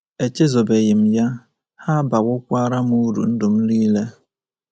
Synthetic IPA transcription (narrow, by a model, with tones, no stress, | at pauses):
e˨t͡ʃe˦zo˨be˨ɣɪ˨m̩˨ja˦ | ha˦ba˨wʊ˦kʷa˦ɾa˦m˦u˦ɾṵ˨n̩˦dʊ˨m̩˦li˦le˦